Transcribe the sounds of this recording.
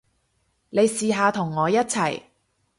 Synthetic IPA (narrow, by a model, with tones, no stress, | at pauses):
ne˨˧jsiː˨ɦaː˧t̪ʰʊ˨˩ŋːɔː˨˧jɐ˥t̚t͡sʰɐ˨˩j